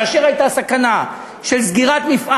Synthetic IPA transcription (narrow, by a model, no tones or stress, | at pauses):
ʃeʁajt̪asakana | ʃelsɡiʁat̪mifʔa